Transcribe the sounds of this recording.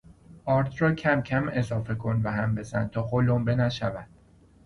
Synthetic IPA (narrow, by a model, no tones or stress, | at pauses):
ʔɒːɾt̪ʰrɒːcʰæmcʰæme̞zɒːfe̞kʰo̞nvæɦæmbe̞zæn̚t̪ʰɒːxolombe̞næʃævæd̪̥